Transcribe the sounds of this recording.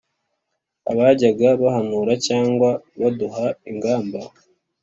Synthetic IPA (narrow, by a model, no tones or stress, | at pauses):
a̰βaɟaɡaβahanuːɾacaːŋɡwaβaduɦaiŋɡaːmba